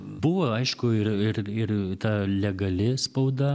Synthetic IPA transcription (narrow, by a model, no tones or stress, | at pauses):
bʊʋoːɐɪʃkʊɪɾɪrɪrt̪ɑːlʲɛɡɐlʲɪspɐʊd̪ɐ